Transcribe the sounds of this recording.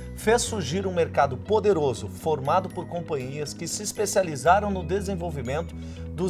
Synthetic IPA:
fesːuɾʒiɾũmeɾkad̪ʊpod̪eɾozʊfoɾmad̪ʊpʊɾkõmpɐ̃ɲiɐskɪsɪːspesializaɾɐ̃w̃nʊd̪ezẽvowvimẽnt̪ʊ | d̪ʊ

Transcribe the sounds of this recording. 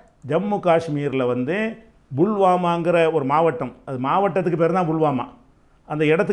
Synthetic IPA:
d͡ʒɐmːukaːʂmiːɾlɐʋɐnd̪ɯ | bʊɭʋaːmaːŋɡɐɾɐɔɾɯmaːʋɐʈːɐmɐðɯmaːʋɐʈːɐt̪̬ːɯkːɯpeːɾɐnãːbʊɭʋaːma̰ː | ɐnd̪ɐɪɽɐt̪ːɯ

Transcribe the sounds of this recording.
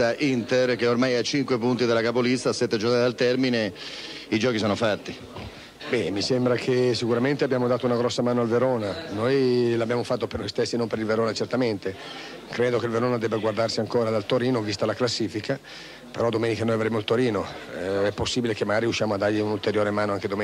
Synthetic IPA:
aʔint̪erk̟eormajat͡ʃːiŋkwepunt̪id̪elakapolist̪asɛt̪ːed͡ʒoknat̪alt̪ɛrmineid͡ʒɔːk̟isoɔːnofat̪ːi | bɛmisembɾakʰesikuɾament̪eabːjaːmod̪aːt̪ounaɡɾɔsːamaːnoalveɾoːnanojlabːjaːmofat̪ːopernojst̪esːinompeɾilveɾoːnat͡ʃert̪ament̪e | kɾeːd̪okeilveɾoːnad̪ɛbːaɡward̪arsiaŋkoːɾad̪alt̪oɾiːnovist̪alaklasːiːfika | peɾɔd̪omeːnikanojavɾeːmoilt̪oɾiːnoɛpːosːiːbilekemːaɡaːɾiuʃːjaːmoad̪ːarʎiunult̪eɾjoːɾemaːnoaŋked̪ome

